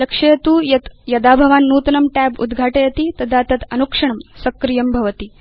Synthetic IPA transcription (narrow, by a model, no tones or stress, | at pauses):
lɐkʂɐjɐt̪uːjɐt̪jɐd̪aːbʱɐʋaːnːuːt̪ɐnɐmʈæbṵd̪ɡʱaːʈejɐt̪it̪ɐd̪ʱaːt̪ɐt̪ɐnukʂɐɳɐmsɐkɾijɐmbʱɐʋɐt̪i